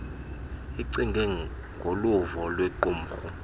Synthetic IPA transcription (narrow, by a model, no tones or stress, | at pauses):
iǀiŋɡʱɛ | ŋɡʱoluvɔlwɛǃum̩xu